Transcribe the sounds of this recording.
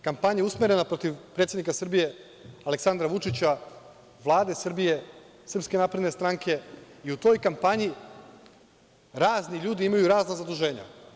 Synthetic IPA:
kampaɲausmeɾe̞napɾo̞t̪iʋpɾet̪sʲed̪nikasr̩bije̞ | ale̞ksand̪ɾaʋut͡ʂit͡ɕa | ʋlˠaːd̪e̞sr̩bije̞ | sr̩pske̞naːpɾed̪ne̞st̪ɾaŋkʰe̞iut̪o̞ːjkampaɲi | ɾaːzniʎuːd̪iimajuɾaːznazad̪uʒe̞ːɲa̰

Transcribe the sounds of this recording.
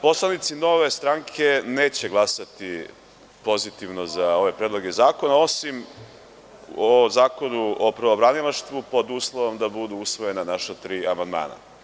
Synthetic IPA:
po̞slˠanit̪sino̞ʋe̞st̪ɾaŋkʰe̞ne̞ːt͡ɕeɡlˠasat̪i | po̞zit̪iʋno̞zao̞ʋe̞pɾed̪loɡe̞zaːko̞nao̞sim | ozaːko̞nuopɾobɾanilˠaʃt̪ʋupo̞d̪uːslˠoʋo̞md̪abud̪uusʋo̞je̞nanaʃat̪ɾiːamand̪ma̰ːna̰

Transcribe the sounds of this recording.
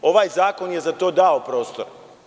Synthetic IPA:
o̞ʋaːjzaːko̞nje̞zat̪o̞ːd̪ao̞pɾo̞ːst̪oɾ

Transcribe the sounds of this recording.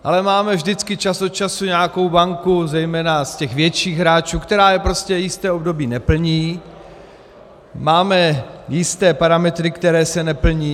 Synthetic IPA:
ʔalɛmaːmɛvʒdɪt͡skɪt͡ʃasot̪t͡ʃasuɲɛako̞wbaŋkuzɛjmɛːnascɛxvjɛt͡ʃiːɣɦɾaːt͡ʃuːkt̪ɛɾaːjɛpɾoscɛjɪst̪ɛːobdo̞biːnɛpl̩ɲiː | maːmɛjɪst̪ɛːpaɾamɛt̪ɾɪkt̪ɛɾɛːsɛnɛpl̩ɲiː

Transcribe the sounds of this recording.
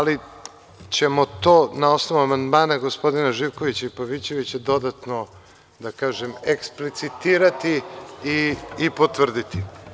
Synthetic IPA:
ali | t͡ɕe̞mo̞t̪oːnao̞snoʋuamand̪maːnaɡospo̞d̪inaʒiʋko̞ʋit͡ɕaipaʋit͡ɕe̞ʋit͡ɕad̪o̞d̪at̪no̞ | d̪akaːʒemeksplit̪sit̪iːɾat̪iiːpot̪ʋr̩d̪it̪i

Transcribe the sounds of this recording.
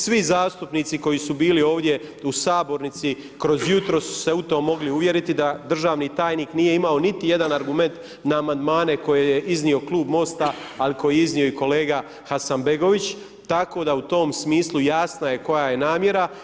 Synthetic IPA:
sʋizaːst̪upniːt̪siko̞jisubiːlio̞ːʋd̪je̞usaːbo̞ɾnit̪si | kɾo̞zjut̪ɾosːu̥se̞ut̪o̞ːmo̞ɡliuʋje̞ɾit̪id̪ad̪r̩ʒaːʋnit̪aːjniːknije̞imao̞nit̪ije̞d̪anaɾɡume̞nt̪ | naːmand̪maːne̞ko̞jejeʔiznio̞klˠuːbmo̞st̪aaliko̞jeiznio̞iko̞le̞ːɡa | xasanbeɡo̞ʋit͡ɕ | t̪ako̞ːd̪aut̪o̞ːmsmiːslˠujaːsnajeko̞jaje̞naːmje̞ɾa

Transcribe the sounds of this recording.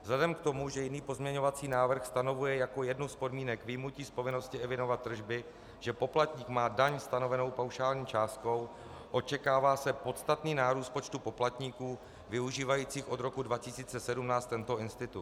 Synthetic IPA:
vzlɛdɛmkt̪o̞muʒɛjɪniːpo̞zmɲɛɲo̞vat͡siːnaːvr̩xst̪ano̞vujɛjako̞jɛdnuspo̞dmiːnɛkvɪmuciːspo̞vɪno̞scɪɛvɪno̞vat̪ːr̩ʒbɪ | ʒ̥ɛpo̞plat̪ɲiːkmaːdaɲst̪ano̞vɛno̞wpawʃaːlɲiːt͡ʃaːst̪̚ko̞w | ʔo̞t͡ʃɛkaːvaːsɛpo̞t̪st̪at̪niːnaːɾuːst̪̚pot͡ʃt̪upo̞plat̪ɲiːkuː | vɪuʒiːvajiːt͡siːxʔo̞d̪ɾo̞kudvacɪsiːt͡sɛsɛdumnaːst̪t̪ɛnt̪o̞ʔɪnst̪ɪt̪ut̪

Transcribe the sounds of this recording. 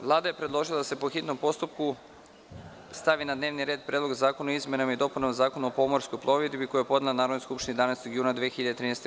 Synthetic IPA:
ʋlˠaːd̪aje̞pɾed̪lˠo̞ʒilˠad̪ase̞po̞xit̪no̞mpo̞st̪upku | st̪aʋinad̪ne̞ːʋniɾe̞ːd̪̚pɾed̪lo̞ɡzaːko̞noizmenamaid̪o̞punamzaːkonuopo̞mo̞ɾskojplˠo̞ʋed̪biko̞jujepo̞d̪nelanaːɾod̪noskupʃt̪inid̪anajst̪oɡjuːnad̪ʋexiʎad̪et̪ɾiːnest̪

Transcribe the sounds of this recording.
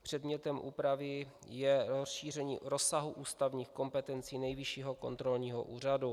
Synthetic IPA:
pr̝̥ɛdmɲɛt̪ɛmʔṵːpɾavɪ | jɛɾosʃiːr̝ɛɲiːɾo̞saɦuʔuːst̪avɲiːxko̞mpɛt̪ɛnt͡siːnɛjvɪʃiːɦoko̞nt̪ɾo̞lɲiːɦo̰ʔuːr̝adu

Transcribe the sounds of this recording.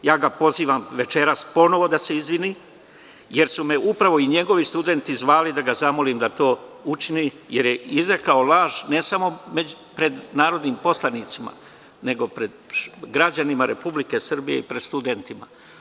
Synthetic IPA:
jaːɡapo̞ziːʋamʋe̞t͡ʃe̞ɾaspo̞no̞ʋo̞d̪ase̞izʋini | je̞ɾsume̞upɾaʋo̞iɲe̞ɡo̞ʋist̪ud̪e̞nt̪izʋaːlid̪aɡazamo̞liːmd̪at̪o̞ːut͡ʃini | je̞ɾjeizɾekao̞lˠaːʒne̞samo̞me | pɾe̞d̪naːɾo̞d̪niːmpo̞slanit̪sima̰ | ne̞ɡo̞pɾe̞d̪ɡɾad͡ʑanimaɾe̞publike̞srbije̞̰ipɾe̞d̪st̪ud̪e̞nt̪ima̰

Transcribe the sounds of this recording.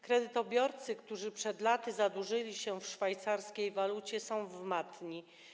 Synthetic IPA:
kɾɛd̪ɘt̪ɔbʲjɔɾt̪sɘkt̪uʐɘpʂɛd̪lat̪ɘzad̪uʐɘlʲiɕɛfʂfajt̪saɾskʲejvalut͡ɕɛsɔ̃w̃vmat̪ɲi

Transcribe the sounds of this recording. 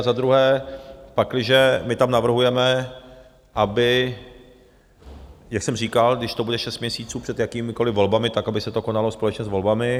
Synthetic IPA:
zad̪ɾuɦɛːpaklɪʒɛmɪt̪amnavr̩ɦujɛmɛ | ʔabɪ | jaksɛmriːkalɡdɪʃt̪obudɛʃɛst̪̚mɲɛsiːt͡suːpr̥ɛt̪jakiːmɪko̞lɪvo̞lbamɪt̪akabɪsɛt̪o̞ko̞nalo̞spo̞lɛt͡ʃɲɛzvo̞lbamɪ

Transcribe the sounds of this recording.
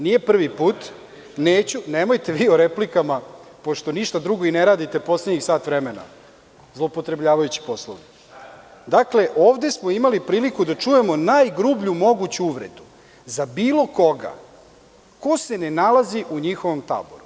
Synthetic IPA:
nije̞pr̩ʋipuːt̪ | neːt͡ɕunemo̞jt̪e̞ʋiːoɾeplikamapo̞ʃt̪o̞niʃt̪ad̪ɾuɡo̞ineɾaːd̪it̪e̞po̞sleɲixsaːt̪ʋɾemena̰ | zlˠopot̪ɾe̞bʎaːʋajut͡ɕi̥poslˠo̰ʋi | d̪akle̞ʔoːʋd̪e̞smoimalipɾiːlikud̪at͡ʂuje̞mo̞najɡɾuːbʎumo̞ɡut͡ɕuuʋɾe̞̰d̪u | zabiːlˠo̞ko̞ɡa̰ | ko̞se̞ne̞nalaziʔuɲixoʋomt̪a̰ːbo̰ɾu

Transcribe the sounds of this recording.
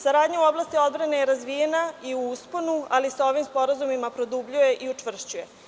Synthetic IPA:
saɾaːd̪ɲauo̞blast̪io̞d̪bɾanejeɾazʋijenaiuusponualisao̞ʋimspo̞ɾazumimapɾo̞d̪ubʎuje̞ʔiut͡ʂʋvr̩ʃt͡ɕuje̞

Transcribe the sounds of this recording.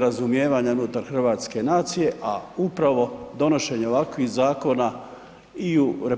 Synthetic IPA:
ɾazumje̞ːʋaɲaunut̪aɾxr̩ʋaːt̪ske̞naːt̪sije̞ʔaupɾaʋo̞d̪o̞no̞ʃe̞ɲeoʋakʋixzaːko̞na | iuɾe

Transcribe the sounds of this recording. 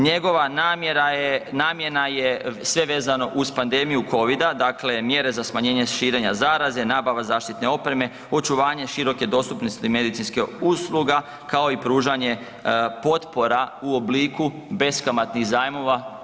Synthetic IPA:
ɲe̞ɡoʋanaeɾajenaːmje̞najesʋe̞ʋe̞ːzano̞ʔuspand̪e̞ːmijuko̞ʋid̪ad̪akle̞mje̞ɾe̞zasmaɲe̞ːɲeʃiːɾe̞ɲazaːɾaze̞naːbaʋazaːʃt̪it̪ne̞o̞pɾe̞me̞ | o̞t͡ʃuʋaːɲe̞ʃiɾo̞ke̞d̪o̞st̪upnost̪ime̞d̪it̪sinskiuslˠuɡa | kao̞ipɾuːʒaɲe̞ | po̞t̪po̞ɾauo̞bliːku | be̞skamat̪niɣzaːjmo̞ʋa

